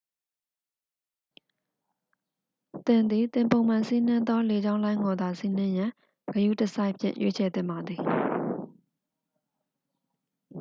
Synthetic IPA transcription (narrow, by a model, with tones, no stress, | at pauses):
t̪ɪ̃˨nd̪ði˨t̪ɪ̃˨mpõ˨ʊ̃mã˨nsi˦n̥ɪ̃˦nd̪ɔ˦le˨d͡ʑã˦ʊ̃lã˦ɪ̃ŋɡɔ˨d̪a˨si˦n̥ɪ̃˦jã˨ | ɡəjṵ˦˨təsa˦ɪʔpʰjɪ̰̃˦˨ʔjʔḛ˦t͡ɕʰɛ˨t̪ɪ̰̃˦˨mba˨d̪ði˨